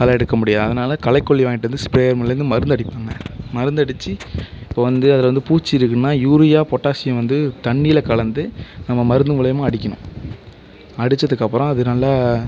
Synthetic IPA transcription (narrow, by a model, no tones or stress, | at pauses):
kɐlɐɛɽɯkːɐmʊɽɪjaːðɐðɐnaːlɐkɐlɐɪkːɔɭːiʋaːŋɡɪʈːɾɯnd̪ɯspɾeːjɐɾmɐlɐɾɯnd̪ɯmɐɾɯnd̪ɐɽɪpːaːŋɡɐ̰̃mɐɾɯnd̪ɐɽɯt͡ʃːɯɪpːoːʋɐnd̪ɯɐðɪlʋɐnd̪ɯpuːt͡ʃːiɪɾɯkːnːaːjuːɾɪjaːpɔʈːaːsɪjɐ̃ʋɐnd̪ɯt̪ɐɳːɪjɪlɐkɐɭɐnd̪ɯnɐmːɐmɐɾɯnd̪ɯmɪɭɐjɐmãːɐɽɪkʲːɐɳʊ̰̃ | ɐɽɯt͡ʃːɐðɯkːɐpːɯɾɔ̃ɐðɯnɐlːaː